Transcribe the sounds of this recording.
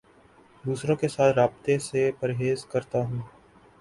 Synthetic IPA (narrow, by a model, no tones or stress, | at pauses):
d̪uːsɾõkesaːt̪ʰɾaːbt̪esepəɾɦeːzkəɾt̪aɦũː